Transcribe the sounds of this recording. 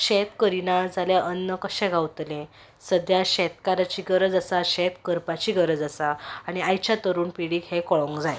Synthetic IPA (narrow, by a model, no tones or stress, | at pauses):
ɕɛt̪kəɾinad͡zaljaʔənːəkəɕɛ̃ɡʱawt̪lẽ | səd̪jaɕɛt̪kaɾat͡ɕiːɡəɾəd͡zasaɕɛt̪kəɾpat͡ɕiːɡəɾəd͡zasaːɽ̃iajt͡ɕjat̪əɾuːnpiɽiːkhekɔɭɔ̃ŋkd͡zaj